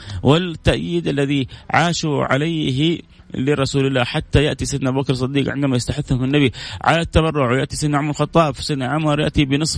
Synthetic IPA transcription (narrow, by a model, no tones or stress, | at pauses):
wʔɪt̪ːaʔjiːd̪ʔalːaðiʕaːʃuʕa̰lajɦ | liɾˤɑsuːlɪlːaːħat̪ːajaʔt̪isɪd̪nabubakɾsˤɨd̪ːiːqʕɪ̰nd̪amajɪst̪aħɪθːhʊmɪnːabiʕa̰lat̪ːaβɑrˤːʊʕwjaʔt̪isɪd̪nʕʊmlxɑt̪ˤːɑːbfsɪd̪naʕʊmɑɾˤjaʔt̪ibɪnɨsˤ